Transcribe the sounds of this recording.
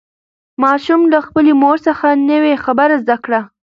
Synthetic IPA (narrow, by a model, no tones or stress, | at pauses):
mɑʃumlaxpəlemoɾsəxanəwexabəɾazd̪akɽa